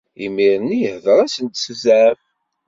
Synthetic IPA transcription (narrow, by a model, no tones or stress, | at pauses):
imiɾˤnːijəhðəɾˤæsənt̪szæv